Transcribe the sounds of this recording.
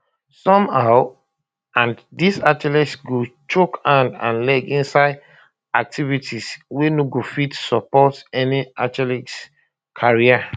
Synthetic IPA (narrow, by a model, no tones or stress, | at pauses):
sɔ̃mhaʊ | ãndisat͡ʃɛlɛsɡot͡ʃokãndã̰nlɛɡĩnsaɪd | ak̚tʰivitʰiswenoɡofitsɔpɔtɛniat͡ʃɛliks | kʰaɹia